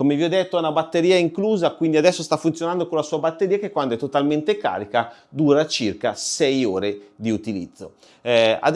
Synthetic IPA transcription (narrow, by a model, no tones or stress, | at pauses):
komeviɔd̪ːet̪ːoɛnabat̪ːeɾiːaiŋkluːzakwind̪iad̪ɛsːost̪afːunt̪jonand̪okonlasuːabat̪ːeɾiːakekːwand̪oɛt̪ːot̪alment̪eka̰ːɾikad̪uːɾat͡ʃirkasɛjoːɾed̪iut̪ilḭd̪zːo̰ | a̰d̪